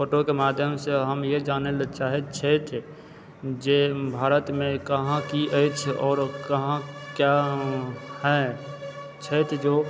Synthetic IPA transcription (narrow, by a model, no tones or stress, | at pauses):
poːʈokemaːd̪ʱjəmseɦəmjed͡ʒaːnelt͡ʃaːɦet͡ʃʰeːt̪ʰ | d͡ʒebʱaːɾət̪mẽkəɦãkiʔəɪt͡ʃʰɔːɾkɐɦãkja | hɛ | t͡ʃʰeːt̪ʰd͡ʒoː